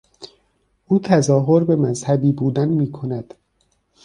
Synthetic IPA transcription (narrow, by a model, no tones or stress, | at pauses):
ʔuːt̪ʰæzɒːɦoɾbe̞mæzhæbiːbuːd̪ænmiːkʰo̞næd̪̥